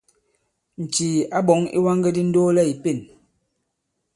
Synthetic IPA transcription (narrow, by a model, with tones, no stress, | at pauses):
n̩˨t͡ʃiː˨a˦bɔ˨˦ŋḭ˦wa˦ŋɡe˦di˦n̩˦doː˦lɛ˦i˨pe˦˨n